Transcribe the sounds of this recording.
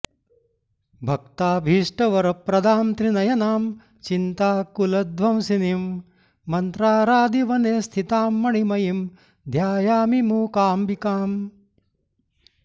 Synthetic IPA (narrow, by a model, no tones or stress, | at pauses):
bʱɐk̚t̪aːbʱiːʂʈɐʋɐɾɐpɾɐd̪ʱaːmt̪ɾinɐjɐnaːm | t͡ʃint̪aːkulɐd̪ʋɐmsinim | mːɐnt̪ɾaːɾaːd̪iʋɐneːst̪ʰit̪aːmːɐɳimɐjim | d̪ʱjaːjaːmimuːkaːmbikaːm